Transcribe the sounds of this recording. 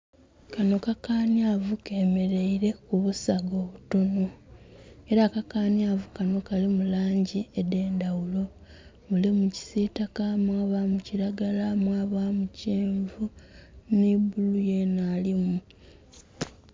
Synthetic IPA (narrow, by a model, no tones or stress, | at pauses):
kano̞kakaːnjavuke̞ːme̞ɾe̞iɾe̞kuβusaɡo̞ːβuto̞no̞ | e̞ɾakakaːnjavukano̞kalimulaːɲɟiede̞ːndawulo̞ | βulimuci̥sitakamwaːβamuciɾaɡalamwaːβamuceːɱvunibulujenaːlimu